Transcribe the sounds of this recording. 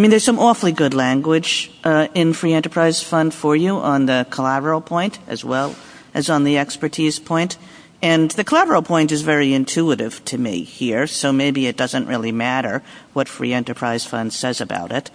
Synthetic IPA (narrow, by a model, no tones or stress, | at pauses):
mĩnðə˞z̥sʌ̃mɔfl̩ˠiɡʊdˡlæ̃ŋɡwɪd͡ʒɪ̃nfɹiɛ̃ntə˞pʰɹ̥aɪz̥fʌ̃nd̥fə˞juʔə̃nðɨkʰəlæɾə˞l̩ˠpʰɔ̃ɪ̃ntʔɨ̰zwɛlˠ | ʔɨzn̩ðiɛkspə˞tʰiz̥pʰɔ̃ɪ̃nt | ɨ̃nðɨkʰəlæbə˞l̩ˠpʰɔ̃ɪ̃ntɨzvɛɹiɨ̃ntʰʉəɾɪv̥tʰɨmḭhiɹsoʊmeɪbiɨt̚d̥ʌzɨ̃nʔɹʔɪ̰lˠimæɾə˞wʌtfɹḭɛ̃ntə˞pʰɹ̥aɪz̥fʌ̰̃nd̥sɛzɨba̰ʊɾɪt̚